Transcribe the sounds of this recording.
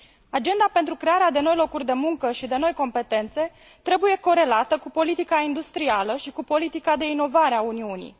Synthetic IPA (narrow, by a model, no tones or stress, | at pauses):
ad͡ʒe̞nd̪ape̞nt̪ɾukɾe̞aɾead̪e̞no̞jlo̞kurʲd̪e̞muŋkəʃid̪e̞no̞jko̞mpe̞t̪e̞nt̪se̞ | t̪ɾe̞buje̞ko̞ɾe̞lat̪əkupo̞lit̪ikaind̪ust̪ɾialəʃikupo̞lit̪ikad̪e̞ino̞vaɾeauniunḭj